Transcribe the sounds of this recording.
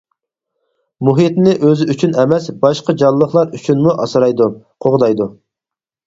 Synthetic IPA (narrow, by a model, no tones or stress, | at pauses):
muɦit̪nɪʔøzɪyt͡ʃʰynɛmɛsbɑʃqɑd͡ʒɑlˠːəχlˠɑɾyt͡ʃʰynmuʔɑsɨɾɑjd̪u | qʰoʁd̪ɑjd̪u